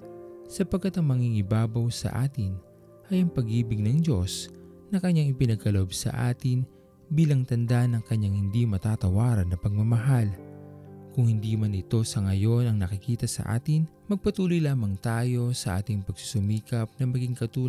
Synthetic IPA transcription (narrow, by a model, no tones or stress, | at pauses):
sɐpɐɡkːat̪ɐŋmɐŋiŋɪbaːbɐwsɐ̰ʔa̰ːt̪ɪn | ʔɐjɐŋpɐɡiːbɪɡ̚nɐŋd͡ʒo̞s | nɐkɐɲːaŋɪpɪnɐɡ̚kɐloʔobsɐ̰ʔaːt̪ɪn | biːlɐŋt̪ɐnd̪aʔnɐŋkɐɲːaŋhɪnd̪imɐt̪aːt̪ɐwaːɾɐnːɐpɐɡ̚mɐmɐɦal | kʊŋhɪnd̪imɐnɪt̪o̞sɐŋɐjo̞nɐŋnɐkɪkiːt̪ɐsɐ̰ʔa̰ːt̪ɪn | mɐɡ̚pɐt̪uːlojlaːmɐŋt̪aːjo̞sɐʔa̰ːt̪ɪŋpɐɡ̥̚sʊ̥sʊmiːkɐp̚nɐmɐɡiŋkɐt̪uː